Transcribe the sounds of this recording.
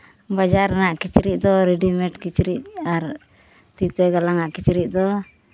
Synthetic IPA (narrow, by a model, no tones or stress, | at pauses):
bad͡ʒaɾnaʔkit͡ʃɾiʔ̚d̪ɔɾɛɖimɛʈkit͡ʃɾiʔ̚aɾ | t̪it̪ɛɡalaŋaʔkit͡ʃɾiʔ̚d̪ɔ